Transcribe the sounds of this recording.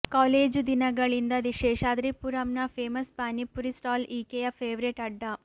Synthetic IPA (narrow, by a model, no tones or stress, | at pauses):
kaːleːd͡ʒd̪inɐɡɐɭind̪ɐd̪iʃeːʂaːd̪ɾipuɾɐmnɐpʰeːmɐspaːnipːuɾisʈaːliːkejɐpʰeːʋɾeʈɐɖːɐ